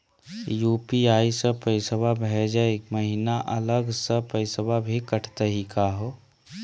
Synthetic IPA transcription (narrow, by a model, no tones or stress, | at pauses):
juːpiaːisəpəɪsəbʱabʱɛd͡ʒəekməɦinaʔələɡsəpəɪsəbʱabʱikəʈʰt̪əɦikaɦo